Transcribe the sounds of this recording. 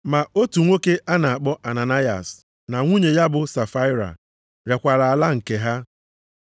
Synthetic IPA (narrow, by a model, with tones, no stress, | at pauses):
ma˨o˦tu˨ŋʷo˦ke˦ʔa˦na˨a˨k͡pɔ˦ʔa˨na˨na˦ja̰˨s | na˨ŋʷu˦ɲe˨ja˦bʊ˨sa˨fa˦ɪ˦ɾa̰˨ | ɾe˨kʷa˨ɾa˨a˨la˦ŋ̩˨ke˨ɦa˦